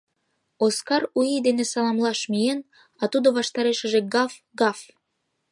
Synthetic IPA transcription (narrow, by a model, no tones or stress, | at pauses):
oskɑɾujid̪enesɑlɑmlɑʃmijen | ɑt̪ud̪oβɑʃt̪ɑɾeʃə̆ʒĕɡɑf | ɡɑf